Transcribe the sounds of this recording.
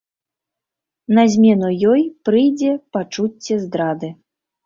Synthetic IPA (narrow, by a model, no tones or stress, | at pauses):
nɐzʲmʲɛnujɔjpɾɨjd͡zʲɛpat͡ʂut͡sʲːɛzd̪ɾad̪ɨ